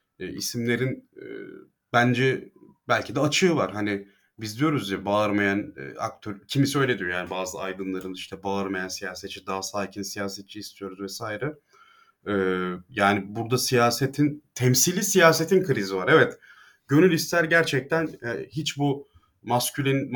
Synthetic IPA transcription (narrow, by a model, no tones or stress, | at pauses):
isimlʲe̞ɾin̰ | bænd͡ʒɛbælʲcʰid̪ɛat͡ʃʰɯːvaɾ̥ɦanɪ | bizd̪ijo̞ɾuzjabaaɾmajan̰a̰k̚t̪ʰøɾcʰimisiø̞jlʲed̪ijojaːnibaːzɯa̰jd̪ɯnlˠaɾɯniʃt̪ʰɛbaaɾmajansijaːset̪̚t͡ʃʰːid̪aɦasaːcʰinsijaːset̪̚t͡ʃʰiːst̪ʰijo̞ɾuzvɛsaːjɾɛ | ɛjaːnibuɾd̪asijaːset̪ʰint̪ʰɛmsilʲisijaːse̞t̪ʰinkʰɯɾizivaɾevɛt̪ | ɟø̞nylʲist̪ʰæɾɟæɾt͡ʃʰɛc̚t̪ʰænɛhit͡ʃbu | mascʰylʲin